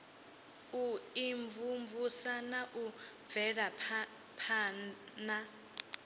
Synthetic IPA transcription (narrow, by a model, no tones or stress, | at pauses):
uiɱvumvusanaʔub̪vɛɺa | pʰaː | na